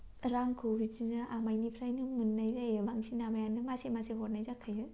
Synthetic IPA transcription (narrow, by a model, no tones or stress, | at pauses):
ɾaŋkʰobizinɯʔamajnipʰɾajnɯmɯnːajzajɯbaŋsinabajanɯmasemaseɦɔtnajzakʰɯjɯ